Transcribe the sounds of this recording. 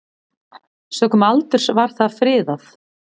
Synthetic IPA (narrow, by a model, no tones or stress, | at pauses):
sœːkʏmalt̪ʏɾ̥svaɾ̥θaðfɾɪːðaθ